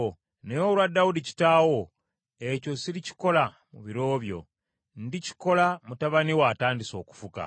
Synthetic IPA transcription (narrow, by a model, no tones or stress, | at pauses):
nejolwadawudici̥taːwo̞ | e̞co̞siɾici̥ko̞la | muβiɾo̞ːβjo̞̰ | ndici̥ko̞lamutaβaniwaːtaːndiso̞ːku̥fuka̰